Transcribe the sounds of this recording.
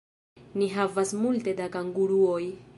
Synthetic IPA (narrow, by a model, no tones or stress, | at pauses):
niɦavasmulte̞dakaŋɡuɾuo̞j